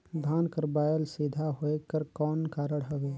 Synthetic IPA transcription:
d̪ʱaːnkəɾbaːjəlsid̪ʱaɦoekəɾkɔːnkaːɾəɽɦəɡe

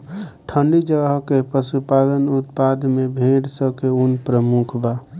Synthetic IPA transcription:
ʈʰəɳɖid͡ʒəɡəɦkepəsupad̪ənut̪̚pad̪ʱmebʱeɖsəkeunpɾəmukʰba

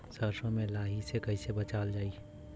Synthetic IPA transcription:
səɾsõmẽlaːɦisekəisebət͡ʃaːld͡ʒaːi

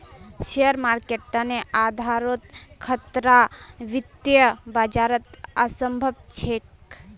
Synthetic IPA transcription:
ʃejəɾmaːɾkeʈəneʔaːd̪ʱaːɾot̪kʰət̪ɾaʋit̪jəbad͡ʒaːɾət̪əsəmbʱəb̚t͡ʃʰek

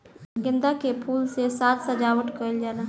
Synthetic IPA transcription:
ɡə̃nd̪akepʰuːlsesaːt̪səd͡ʒawəʈkəɪld͡ʒaːla

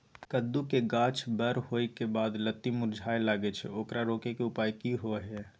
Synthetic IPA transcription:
kəd̪ːukeɡãt͡ʃʰbəɾhojkebad̪lət̪ːimʊɾd͡ʒʱaelaɡɛt͡ʃʰɛ̰oːkɾaɾoːkekeupajkiɦoɦɛ

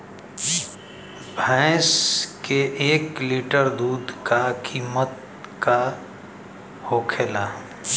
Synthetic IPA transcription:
bʱɛ̃skeʔːkliːʈəɾd̪uːd̪ʱkakiːmət̪̚ | ka | hoːkʰeːlaː

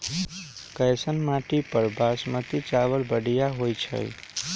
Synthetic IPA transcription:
kəsənmaʈipəɾbʱasmət̪it͡ʃaʋəlbəɽijaɦojt͡ʃʰə̰j

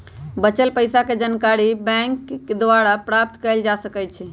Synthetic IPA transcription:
bət͡ʃəlpəjsaked͡ʒankaɾibɛ̃ŋkd̪ʋaɾapɾap̚t̪kəld͡ʒasəkɛt͡ʃʰɛ

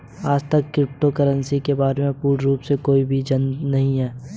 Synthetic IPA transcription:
aːd͡ʒt̪əkːɾɪp̚ʈokəɾənsikebaːɾemẽpuːɾɾuːpsekoːibʱid͡ʒɐnnɐɦĩɦɛː

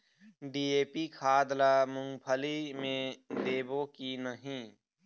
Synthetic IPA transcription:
ɖiːeːpikʰaːd̪lamʊ̃ŋɡpʰəlimẽd̪eːbokinəɦĩ

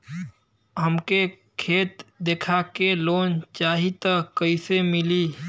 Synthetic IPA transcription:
ɦəmke | kʰeːt̪d̪eːkʰakeloːnt͡ʃaːɦit̪əkəɪsemɪliː

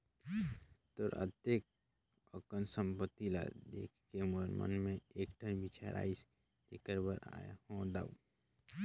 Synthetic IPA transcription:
t̪oɾə̰t̪ek̚ | əkənsə̃mpət̪ːila̰d̪ḛːkʰkeməɾmə̰nmẽeːkʈʰənbit͡ʃaɾʔa̰ːis | ekəɾbəɾa̰hõd̪a̰ːṵ

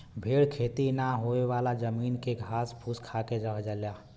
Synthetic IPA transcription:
bʱeːɽkʰeːt̪inaɦoewaːlad͡ʒəmiːnkeɡʱaːspʰuːskʰaːkeɾəɦd͡ʒəlja

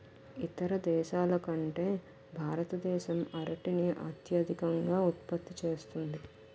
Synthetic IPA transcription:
it̪ɐɾɐd̪ɛːʃaːlɐkɐɳʈe̞ː | bʱaːɾɐt̪ɐd̪ɛːʃɐmɐɾɐʈiniʔɐ̰ːt̪jɐd̪ʱikɐŋɡaːut̪̚pɐt̪ːit͡ʃeːst̪und̪i

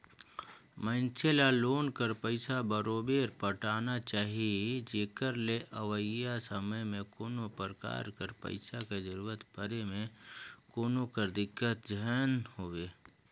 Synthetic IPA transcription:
mə̃nt͡ʃʰelaloːnkəɾpəɪsabəɾoːbeːɾpəʈaːnat͡ʃaːɦied͡ʒeːkəɾleʔəʋəjasəməjmẽkoːnopəɾka̰ːɾkəɾpə̰ɪsaked͡ʒəɾuːɾət̪pəɾemẽkoːnokəɾd̪ɪkːət̪d͡ʒənhoʋeː

